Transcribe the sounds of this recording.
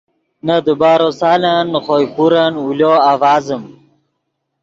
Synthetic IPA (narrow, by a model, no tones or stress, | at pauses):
nɐd̪ubaːɾosaːlanːχoːjpuɾanuljoavaːzəm